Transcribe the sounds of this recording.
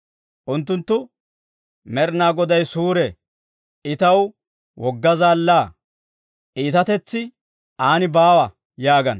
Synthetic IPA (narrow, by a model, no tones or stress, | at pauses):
ʔʊnt̪ːʊnt̪ːʊ | mɛɾnaːɡɔd̪ɐjsuːɾɛ | ʔɪt̪ɐw | wʔɔɡːɐzaːlːaː | ʔiːt̪ɐt̪ɛt͡sːɪ | ʔaːnɪbaːwɐ | jaːɡɐn